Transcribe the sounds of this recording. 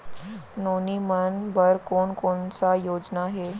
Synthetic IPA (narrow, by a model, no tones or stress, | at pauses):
nonimənbəɾkoɳkoɳt͡sajod͡ʑnaɦe